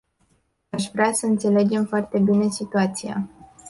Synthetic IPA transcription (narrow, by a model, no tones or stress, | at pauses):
aʃvɾeasəɨnt̪se̞le̞d͡ʒe̞mfoart̪e̞bine̞sit̪uat̪sija̰